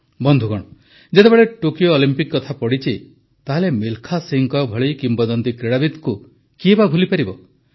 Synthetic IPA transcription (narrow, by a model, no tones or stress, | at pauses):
bɔnd̪ʱuɡɔɽ̃ɔ | d͡ʒet̪ebeɭeʈokijoːlimpikːɔt̪ʰapɔɽit͡ʃi | t̪aɦelemilkʰasiŋkɔbʱɔɭijkimbɔd̪ɔnt̪ikɾeɽabid̪ku | kiebabʱulipaɾibɔ